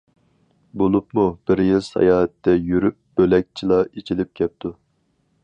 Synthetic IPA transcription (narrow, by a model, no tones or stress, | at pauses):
bolˠup̚mub̥ɪɾjilˠsɑ̰jɑːɛt̪ːɛjyɾyp̚b̥ølɛk̚ʲt͡ʃʰilˠɑit͡ʃʰilɪp̚kʲʰɛp̚t̪ʰu